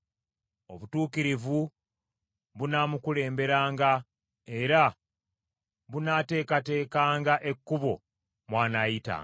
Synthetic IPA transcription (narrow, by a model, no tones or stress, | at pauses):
o̞βutuːkiɾivu | βunaːmukule̞ːmbe̞ɾaːŋɡa | e̞ɾa | βunaːte̞ːkate̞ːkaːŋɡaʔe̞kːuβo̞ | mwaːnaita̰